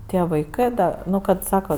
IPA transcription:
ˈtʲiɛ ʋɐɪˈkɜ dɐ ˈnʊ kɐt ˈsɑːkɐ

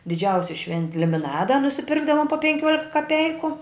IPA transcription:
dʲɪˈd͡ʒʲɛʊsʲɪ ˈʃʲʋʲɛnʲtʲɪ lʲɪmʲɪˈnɑːdɐ nʊsʲɪˈpʲɪrɡdɐʋoːm poː pʲɛŋʲˈkʲuɔlʲɪkɐ kɐˈpʲɛɪkʊ

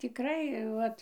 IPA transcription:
tʲɪˈkrɐɪ ˈʋɐt

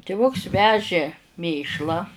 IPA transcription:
tʲɪˈʋʊks ˈʋʲæːʒʲeː ˈmʲeːʃlˠɑː

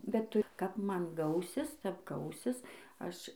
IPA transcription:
bʲɛt ˈtʊ kɐp ˈmɐn ˈɡɐʊsʲɪs tʲɛp ˈɡɐʊsʲɪs ˈɐʃ

